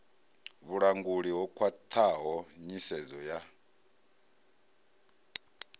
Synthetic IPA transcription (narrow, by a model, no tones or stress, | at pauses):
βuɺaŋɡuɺiɦɔkʰwat̪ʰaɦɔɲisɛd͡zɔja